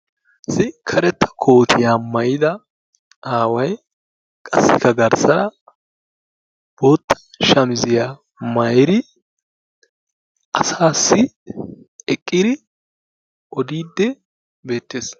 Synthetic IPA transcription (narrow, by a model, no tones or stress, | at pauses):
sɪkʰɐɾɛt̪ʰːɐ̥kʰo̞ːt̪ʰɪjamɐjɪd̪ɐ | aːwɐj | kʼɐsːɪkːɐɡɐɾsɐɾɐ | b̥o̞ːt̪ʰːɐ̥ʃɐmɪzɪja | mɐjɾɪ | ʔɐsaːsːɪ | ɛkʼːɪd̪ɪ | ʔɔd̪iːd̪ːɛ | be̞ːt̪ːeːs